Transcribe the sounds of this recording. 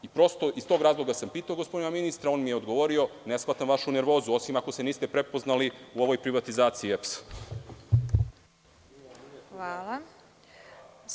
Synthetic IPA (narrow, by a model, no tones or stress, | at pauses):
ipɾo̞st̪o̞ʔist̪o̞ːɡɾaːzlˠoɡasampiːt̪aoɡospo̞d̪inaminist̪ɾao̞ːnmijeo̞d̪ɡo̞ʋo̞ɾio̞nesxlat̪amʋaʃuneɾʋo̞ːzuo̞simako̞seniːst̪e̞pɾepo̞znaliuo̞ʋo̞jpɾiʋat̪izaːt̪siːeps | ʋaːlˠa